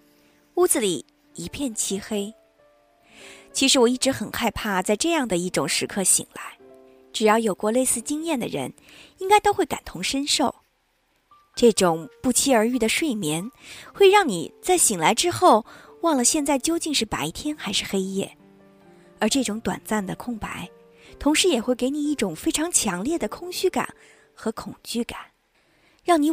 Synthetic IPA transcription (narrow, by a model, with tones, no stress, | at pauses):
u˥d͡zɹ̩˧li˨˩ | i˧˥pʰjɛ˥˩nt͡ɕʰi˥xe˥ɪ | t͡ɕʰi˧˥ʂɻ̩˧˥wɔ˨˩i˥˩ʈ͡ʂɻ̩˧˥xə˨˩nxa˥˧ɪpʰa˥˩t͡sa˥˧ɪʈ͡ʂɤ˥˧jɑ˥˩ŋd̪ə˩i˥˩ʈ͡ʂʊ˨˩ŋʂɻ̩˧˥kʰɤ˥˩ɕḭ˨˩ŋla̰˧˥ɪ | ʈ͡ʂɻ̩˨˩jɑ˥˩ʊjo˨˩ʊkwɔ˥˧le˥˧ɪsɹ̩˥˩t͡ɕi˥ŋjɛ˥˩nd̪ə̰˩ɻə̰˧˥n | i˥ŋka˥ɪt̪o˥ʊxwe˥˩ɪka̰˨˩nt̪ʰʊ˧˥ŋʂə˥nʂo˥˩ʊ | ʈ͡ʂɤ˥˩ʈ͡ʂʊ˨˩ŋpu˥˩t͡ɕʰi˥ə˞˧˥y˥˩d̪ə˩ʂwe˥˩ɪmjɛ˧˥nxwe˥˧ɪɻɑ˥˩ŋnḭ˨˩t͡sa˥˩ɪɕi˨˩ŋla˧˥ɪʈ͡ʂɻ̩˥xo˥˩ʊwɑ˥˩ŋlə˩ɕjɛ˥˧nt͡sa˥˩ɪt͡ɕjo˥ʊt͡ɕi˥˧ŋʂɻ̩˥˩pa̰˧˥ɪt̪ʰjɛ˥nxa˧˥ɪʂɻ̩˥˩xe˥ɪjɛ̰˥˩ | ə˞˧˥ʈ͡ʂɤ˥˩ʈ͡ʂʊ˧˥ŋt̪wa̰˨˩nt͡sa˥˩nd̪ə˩kʰʊ˥˩ŋpa̰˧˥ɪ | t̪ʰʊ˧˥ŋʂɻ̩˧˥jɛ˨˩xwe˥˩ɪke˧˥ɪni˨˩i˥˩ʈ͡ʂʊ˨˩ŋfe˥ɪʈ͡ʂʰɑ˧˥ŋt͡ɕʰjɑ˧˥ŋljɛ˥˩d̪ə˩kʰʊ˥ŋɕy˥ka̰˨˩˦n | xɤ˧˥kʰʊ˨˩ŋt͡ɕy˥˩ka̰˨˩˦n | ɻɑ˥˩ŋni˧˥